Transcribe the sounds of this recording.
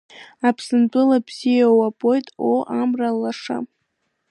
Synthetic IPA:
apʰsɨnt͡pʼɨlabz̥ijawapʼojtʼoʔamralːaʂa̰

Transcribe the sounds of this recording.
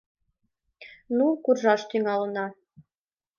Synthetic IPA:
nukurʒɑʃt̪yŋɑlənɑ

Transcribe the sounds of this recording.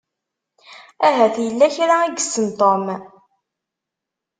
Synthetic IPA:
æɦæθjəlːæçɾaiɡəsːənt̪ˤom

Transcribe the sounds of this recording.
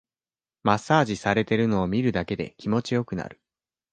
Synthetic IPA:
masːaːʑisaɾe̞t̪e̞ɾɯ̟no̞ːmʲiɾɯ̟d̪ake̞d̪e̞̰kʲimo̞t͡ɕijo̞kɯ̟na̰ɾɯ̟

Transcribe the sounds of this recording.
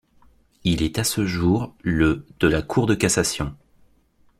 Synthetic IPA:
ilɛt̪asəʒuʁləd̪̥əlakʰuʁd̪əkasasjɔ̃

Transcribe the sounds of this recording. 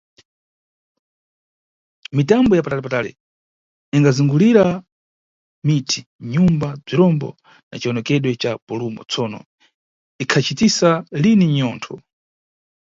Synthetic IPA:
mitambɔjapatalɛpataːlɛ̰ | iŋɡaziŋɡuliɾa | mitʰiɲumbab͡ʐiɾɔmbɔ̰ | na̰t͡ʃiɔnɔkɛɗwɛt͡ʃapulumɔ̰t͡sɔnɔ̰ | ikʰat͡ʃitisaliniɲɔːntʰɔ

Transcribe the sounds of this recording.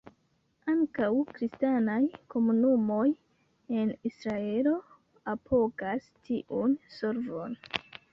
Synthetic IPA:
aŋkawkɾistanajko̞munumo̞j | enisɾae̞lo̞ | apʰo̞kastʰiʔunso̞ɾvo̞n

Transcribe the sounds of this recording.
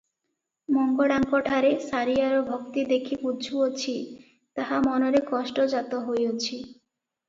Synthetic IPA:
mɔŋɡoɽaŋkɔʈʰaɾesaɾijaɾobʱokt̪id̪ekʰipudd͡ʒʰuot͡ʃʰi | t̪aɦamɔnoɾekɔʃʈod͡ʒat̪oɦojot͡ʃʰi

